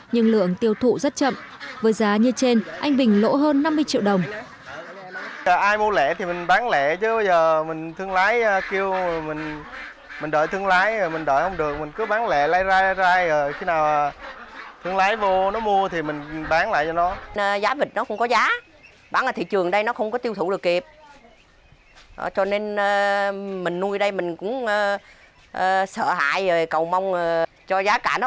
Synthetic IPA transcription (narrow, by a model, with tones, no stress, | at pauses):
ɲɨ˧ŋlɨ̰˧˨əŋt̪i˧˩əwt̪ʰṵ˧˨zə˦˥t̚t͡ɕə̰˧˨m | vəː˨˦jzaː˨˦ɲɨ˧t͡ɕe˧nʔa˧jŋ̟ɓï˨˩ŋ̟lo̰˧˥ɦəː˧nːa˧mːɨ˧əjt͡ɕḭ˧˨wɗə˨˩wŋ͡m | əː˨˩ʔaː˧jmu˧əlɛ̰˧˩˨t̪ʰi˨˩mï˨˩ŋ̟ɓaː˨˦ŋlɛ̰˧˩˨t͡ɕɨ˨˦ɓə˧jzəː˨˩mï˨˩ŋ̟t̪ʰɨ˧əŋlaː˨˦jki˧əwmï˨˩ŋ̟ | mi˨˩ŋ̟ɗəː˧˨˩jt̪ʰɨ˧əŋlaː˨˦jmï˨˩ŋ̟ɗəː˧˩jhə˧wŋ͡mɗɨ˨˩ək̚mï˨˩ŋ̟kɨ˨˦ɓaː˨˦ŋlɛ̰˧˩˨laː˧jzaː˧jlaː˧jzaː˧jəː˨˩xi˧naː˨˩wt̪ʰɨ˧əŋlaː˨˦jvo˧nɔ˨˦mu˧ət̪ʰi˨˩mï˨˩ŋ̟ɓaː˨˦ŋla̰ː˧˨jt͡ɕɔ˧nɔ˨˦nə˨zaː˨˦vï˨˩k̚nɔ˨˦˥xə̰˧wŋ͡mkɔ˨˦zaː˨˦ | ɓaː˨˦nʔaː˨˩t̪ʰḭ˧˨t͡ɕɨ˨˩əŋɗə˧jnɔ˨˦xə˧wŋ͡mkɔ˨˦t̪i˧wt̪ʰṵ˧˩wɗɨ˨˩ək̚ki˨˩p̚ | t͡ɕɔ˧ne˧nː˧mï˨˩ŋ̟nu˧jɗə˧jmï˨˩ŋ̟kʊ̰˧˥ŋ͡mː | ʔəː˨˩sə̰ː˧˨ɦa̰ː˧˨jə˨˩jkə˨˩wma˧wŋ͡m | t͡ɕɔ˧zaː˨˦kaː˧˩nɔ˨˦